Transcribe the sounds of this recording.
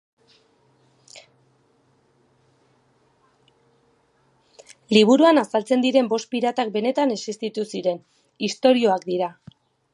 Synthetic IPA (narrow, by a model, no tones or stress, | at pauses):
liβ̞uɾuanasalt͡se̞nd̪iɾe̞mbo̞spiɾat̪ak̚be̞ne̞t̪ane̞sist̪it̪usiɾe̞n | ist̪o̞ɾio̞akd̪iɾa